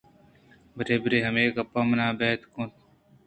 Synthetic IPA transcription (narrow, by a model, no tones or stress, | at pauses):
bəɾeːbəɾeːɦɐmeːkɐpːaːmɐnaːbeːt̪kõːt̪